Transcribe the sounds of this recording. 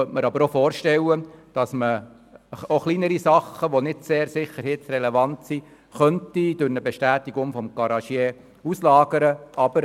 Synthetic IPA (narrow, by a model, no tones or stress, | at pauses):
œtməɾɑbəɾofɔːɾʃtɛwːəd̥ɑsmə | oχlinəɾisɑχəʋonɪdseːɾsɪχːəɾhɪtsrɛlɛvɑntsi | χœntid̥ʊɾnəbeʃtæːtiɡʊŋfɔmɡ̥ɑɾɑʃjɛː | uslɑːɡəɾəʔɑb̥əɾ